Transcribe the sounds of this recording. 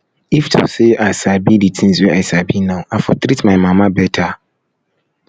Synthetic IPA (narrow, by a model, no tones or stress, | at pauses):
iftʰo̰seasabiditʰĩn̩zuɛasabinãafɔtʰɾitmãɪmãmãbɛtʰa